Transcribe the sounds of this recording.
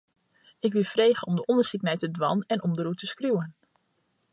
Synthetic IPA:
ɪkʋɪlˠfrejχəɔmdəʔɔndərsikənɛjtədʋɑnɛnʔɔmdərutəskrjuən

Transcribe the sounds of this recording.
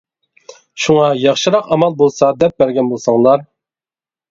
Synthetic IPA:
ʃuŋɑjɑχʃɨɾɑqɑmɑlˠbolˠsɑd̪ɛp̚bæɾɡʲɛnbolˠsɑŋlˠɑɾ

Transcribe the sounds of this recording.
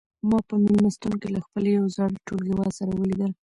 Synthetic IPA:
mɑpəmɪlmast̪unkelaxpəlejawzɑɽʈolɡewɑsaɾawəlid̪əl

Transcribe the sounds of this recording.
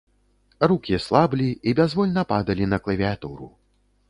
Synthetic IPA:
rukʲislˠablʲiibʲazvɔlʲnɐpad̪ɐlʲinɐklʲˠɐvʲiat̪uɾu

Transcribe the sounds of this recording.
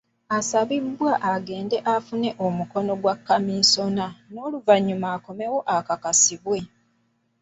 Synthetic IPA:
asaβibːwaʔaɡe̞ːnde̞ʔafune̞ʔomuko̞no̞ɡwakːamiːso̞nano̞ːluvaɲːumaːko̞me̞wo̞ʔakakasiβwe̞

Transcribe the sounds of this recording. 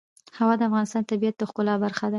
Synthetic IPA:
hawɑd̪əafɣɑnɪst̪ɑnt̪abijat̪̚d̪əxkʊlɑbaɾxad̪a

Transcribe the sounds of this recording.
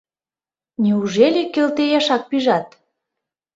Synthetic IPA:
neuʒelʲekːelt̪ejɑʃɑk̚piʒɑt̪̚

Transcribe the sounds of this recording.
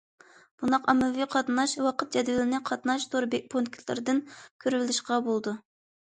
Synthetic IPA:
b̥und̪ɑqɑmɛviqʰɑt̪nɑʃwɑqət̪̚d͡ʒɛd̪vɪlɪnɪqʰɑt̪nɑʃt̪ʰoɾbepʰont̪̚kʲʰi̥lˠɨ̰ɾɨd̪ɨnkʲʰøɾvɪlɪʃqɑbolˠd̪u

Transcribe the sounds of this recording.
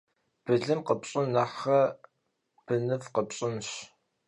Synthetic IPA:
b̥ɨɮɨmqəpɕʼɪnnɐħɐ | b̥ɨnɨvqəpɕʼɪnɕ

